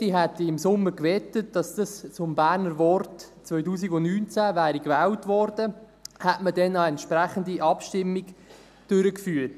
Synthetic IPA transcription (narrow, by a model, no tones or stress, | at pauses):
d̥iɦætiɪmsʊmːəɾkvɛtət̚d̥ɑsd̥ɑst͡sʊmbæːɾnəɾʋɔrt | t͡sʋœʏtuːsiɡʊnnyːnt͡sævæːɾikvɛːltvɔrd̥ə | hætmədɛnɑɛntʃpɾæχəndiʔɑpʃtɪmːiɡ | d̥ʏɾəkfyːət